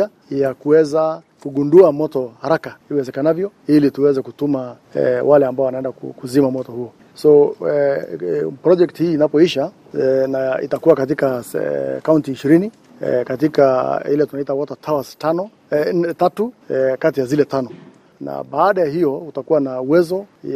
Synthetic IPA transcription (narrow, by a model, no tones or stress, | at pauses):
a | jakuwɛza | kuɡunduamɔtɔhaɾakaiwɛzɛkanavjɔilituwɛzɛkutuma | ɛ̰walɛambaɔwanaɛndakukuzimamɔtɔhuɔ | sɔ | pɾɔd͡ʒɛktihiːnapɔiʃa | naḭtakuwakat̬ikakauntiːʃiɾini | ɛ̰katikailɛtunaitawɔtatʰawastanɔ | ɛtatukatijazilɛtanɔ | na̰ɓaːɗajaɦijɔutakuwanauwɛzɔ